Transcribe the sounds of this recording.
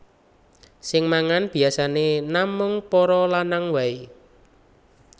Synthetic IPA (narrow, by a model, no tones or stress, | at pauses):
sɪŋmaŋanb̥i̤asanenamʊŋpɔɾɔlanaŋwai